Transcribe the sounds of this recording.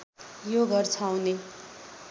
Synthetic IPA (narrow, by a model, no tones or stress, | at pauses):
joɡʌrt͡sʰʌawne